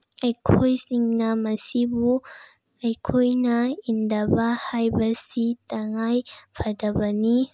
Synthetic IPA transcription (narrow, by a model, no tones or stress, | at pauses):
akʰɔjsiŋnamasibu | ajkʰɔjnaind̪abahajbɐsit̪aŋajfad̪abani